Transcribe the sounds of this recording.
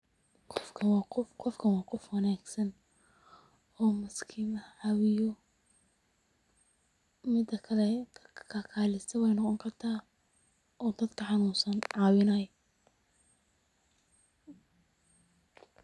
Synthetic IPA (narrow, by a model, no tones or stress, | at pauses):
qɔfkʰɐwɑːqɔfqɔfkʰɐnwɑːqɔfwɑnaːɡsɐn | ɔːmɐskʰɪmɐʕɑwɪjɔ | mɪd̪ɐkʰɐlɛkʰakʰaːlɪsɐwɛjnɔqɔŋkʰɐrt̪ʰaː | ʔɔːd̪ɐd̪kʰɐħɑnuːnsɐnʕɑːwɪnɐj